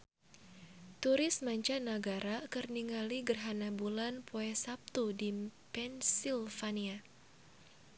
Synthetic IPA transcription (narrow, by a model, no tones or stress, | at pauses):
t̪uɾɪsmaɲt͡ʃanaɡaɾakərniŋaliɡərɦanabulanpʰoɛsap̚t̪udipɛnsilfania